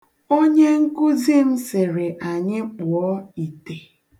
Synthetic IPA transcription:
o˦ɲe˦ŋ̩˦kʊ˦zi˦m̩˦sɪ˨ɾɪ˨ʔa˨ɲɪ˦k͡pʊ˨ɔ˦i˨te˨

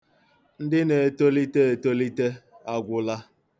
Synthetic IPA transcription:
n̩˦dɪ˦ne˨e˨to˦li˦te˦e˨to˦li˦te˦a˨ɡʷʊ˦la˦

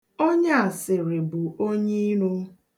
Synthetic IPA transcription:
o˦ɲa˦a˨sɪ˨ɾɪ˨bʊ˨ʔo˦ɲe˦i˦nu˦

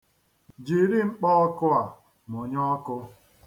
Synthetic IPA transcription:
d͡ʒi˨ɾi˦ŋ͡m̩˦k͡pɔ˦ɔ˦kʊ˦a˨ | m˨o˨ɲ˦ɔ˦kʊ˦

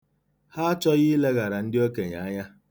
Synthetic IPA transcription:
ha˦t͡ʃɔ˦ɣi˦le˦ɣa˨ɾa˨n̩˦dɪ˦o˦ke˨ɲa̰˨a˦ɲa˦

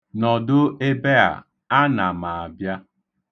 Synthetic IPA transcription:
nɔ˨dʊ˦e˦be˦a̰˨ | a˦na˨ma˨a˨bja˦

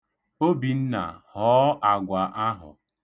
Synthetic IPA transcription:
o˦bi˨n̩˦na̰˨hɔː˦a˨ɡʷa˨ʔa˦ɦʊ̰˨

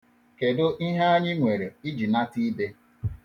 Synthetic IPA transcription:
ke˨dʊ˦ʔi˦ɦa˦a˦ɲɪ˦ŋʷe˨ɾe˨i˦d͡ʒi˨na˦ti˦i˦be˦

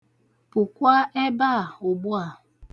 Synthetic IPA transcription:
pʊ˨kʷa˦e˦ba˦˨ʊ˨bʊ˦a˨

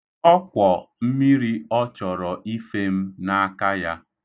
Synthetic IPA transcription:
ɔ˦kʷɔ˨m̩˦mi˦ɾi˦ɔ˦t͡ʃɔ˨ɾɔ˨ʔi˦fe˦m̩˦na˦a˦ka˦ja˦

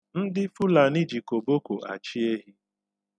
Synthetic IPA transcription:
n̩˦dɪ˦fʊ˦la˨ni˦d͡ʒi˨ko˨bo˦ko˨ʔa̰˨t͡ʃi˦e˦ɦi˦

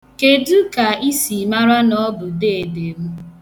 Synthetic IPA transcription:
ke˨dʊ˦ka˨i˦si˨ma˦ɾa˦nɔ˦bʊ˨deː˦˨de˨mʊ˦

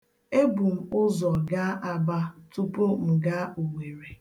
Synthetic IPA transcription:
e˦bu˨m̩˨ʊ˦zɔ˨ɡa˦ʔa˨ba˦tu˦po˦m̩˨ɡa˦u˨ŋe˨ɾe˨

